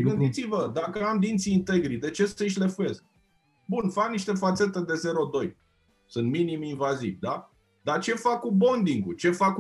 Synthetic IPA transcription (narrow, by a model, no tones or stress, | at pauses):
ɡɨnd̪it̪sivəd̪akəamd̪int̪siːnt̪e̞ɡɾid̪e̞t͡ʃe̞səɨʃ̬le̞fuje̞sk̚ | bunfakniʃt̪e̞fat̪se̞t̪e̞d̪e̞ze̞ɾo̞d̪o̞j | sunt̪miniminvazivʲd̪a | d̪at͡ʃe̞fakːubo̞nd̪iŋɡut͡ʃe̞fak